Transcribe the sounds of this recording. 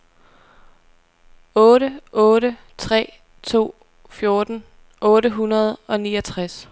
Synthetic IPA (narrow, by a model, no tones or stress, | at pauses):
ɔ̽ːɾəɔ̽ːɾə | t͡sʰʁɛ̰ː | t͡sʰo̝̰ː | fjo̝ɐd̥n̩ | ʔɔ̽ːɾəɦunɐð̞ˠɒ̽niːɒt͡sʰʁas